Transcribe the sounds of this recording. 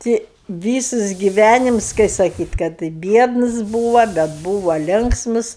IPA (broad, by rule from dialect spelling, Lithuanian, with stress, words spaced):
ˈtʲɪ ˈʋʲiːsʊs ɡʲɪˈʋʲænʲɪms kɐɪ sɐˈkʲiːtʲ kɐt ɪ ˈbʲiɛdns ˈbuːʋɐ bʲɛt ˈbuːʋɐ ˈlʲɪŋksmʊs